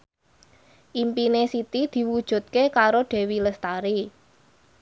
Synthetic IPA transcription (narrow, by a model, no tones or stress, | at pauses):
ʔimpinesit̪id̪̥i̤wud̥ʒ̥ṳt̪̚kekaɾoɖ̥e̤wiləst̪aɾi